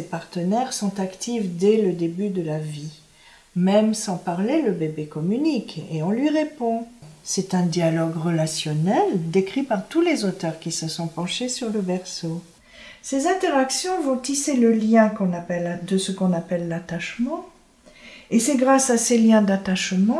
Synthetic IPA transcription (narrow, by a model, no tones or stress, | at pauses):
sepaʁt̪ənɛʁsɔ̃t̪akt̪ivd̪ɛləd̪ebyd̪əlavi | mɛmsɑ̃paʁleləbebekɔmynikeɔ̃lɥiʁepɔ̃sɛt̪ɛ̃d̪jalɔɡʁəlasjɔnɛld̪ekχipaʁt̪ulezot̪œʁkʲisəsɔ̃pɑ̃ʃesyʁləbɛʁso | sezɛ̃t̪eʁaksjɔ̃vɔ̃t̪iseləljɛ̃kɔ̃napɛld̪əsəkɔ̃napɛlːat̪aʃmɑ̃ | esɛɡʁasaseljɛ̃d̪at̪aʃmɑ̃